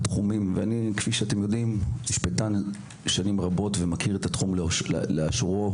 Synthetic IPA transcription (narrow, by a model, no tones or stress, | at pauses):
t̪χumimveanikfiʃeate̞mjo̞dimmiʃpetan | ʃanimʁabo̞tvemakʰiʁetat̪χuml̰leaʃʁo